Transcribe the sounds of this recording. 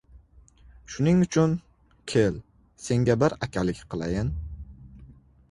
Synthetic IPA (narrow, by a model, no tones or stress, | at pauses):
ʃʊnɪŋʊt͡ʃʰʊn | kʲʰel | se̞ŋɡʲabɪɾakʲʰalɪkʲqʰɨlˠa̰jɪn